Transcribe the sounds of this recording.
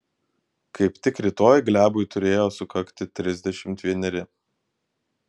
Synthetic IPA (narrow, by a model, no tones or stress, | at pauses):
kʰɐɪpt̪ʲɪkɾʲɪt̪oːjɡlʲæːbʊjt̪ʊɾʲeːjoːsʊkɐkt̪ʲɪt̪ʲɾʲɪzʲd̪ʲɛʃʲɪmt̪ʲʋʲiɛnʲɛɾʲɪ